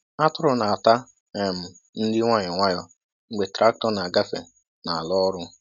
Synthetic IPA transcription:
a˦tʊ˦ɾʊ˨na˨a˨ta˦ | ɛ˨m̩˨ | n̩˦dɪ˦ŋʷa˦ɲɔ˨ŋʷa˦ɲɔ˨ | ŋ͡m̩˦ɡ͡be˨tɾa˦k̚tɔ˦na˨a˨ɡa˦fḛ˨ | na˨a˨lɔ˦ɾʊ˦

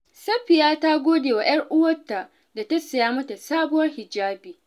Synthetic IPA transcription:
sɐ˦ɸɪ˨jaː˦ta˦ɡʷoː˦deː˨wa˨jɐ˦rʔʊ˦wɐ˦tːa˨ | da˨tɐ˦sɐ˨jaː˦mɐ˦ta˨saː˦bʊ˦wɐ˦rhɪ˨d͡ʒaː˦biː˨

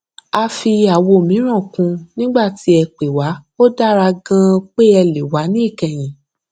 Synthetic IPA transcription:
a˧fi˧a˨wo˧˨mĩ˨˦ɾ̃ã˦˨kũ˧nĩ˦ɡ͡ba˦˨ti˨˦ɛ˧k͡pe˨wa˨˦o˦da˦ɾa˧ɡã˦k͡pe˦ɛ˧le˨wa˨˦nĩ˦i˦˨kɛ˨j̃ĩ˨˦

